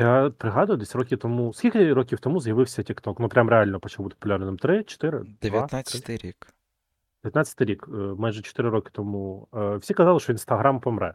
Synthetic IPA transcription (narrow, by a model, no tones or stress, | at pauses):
japɾɪɦɑd̪ʊjʊd̪ɛsʲrɔkʲit̪ɔmusʲkʲilʲkɐɾokʲiwt̪ɔmuzjɐʋɪwsʲɐtʲikt̪ɔknupɾʲamɾealʲnɔpɔt͡ʃlˠbut̪ɪpɔpːʊlʲaɾnɪmt̪ɾɪt͡ʃɔ̥t̪ɪɾɪ̰d̪d̪ʲeʋjɐnaɪt̪ɾʲik | d̪̥ʲɪʋʲjɐt̪atʲt͡sʲə̥t̪ɪjɾʲikmajʒɛt͡ʃɔ̥t̪ɪɾɪɾɔkɪ̥t̪ɔmuəwsʲikɐzɑlˠɪʃt͡ʃɔʋinst̪ɐɦɾampɔmɾɛ̰